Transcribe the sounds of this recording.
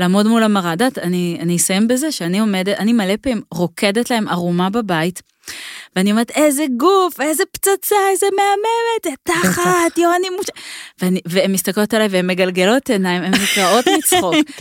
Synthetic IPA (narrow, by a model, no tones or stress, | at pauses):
laːmo̞dmulamaʁadatanianisajembe̞ze̞ʃeanio̞me̞detanimalepeimʁo̞kʰe̞detlae̞mʔaʁumababait | veanioeʁete̞zeɡufe̞zept͡sat͡saezemeame̞me̞ttaχatjoanimːut͡ʃveaniveemːist̪ako̞talaeveemːeɡalɡelo̞tenaimemut͡sao̞tmit͡sχok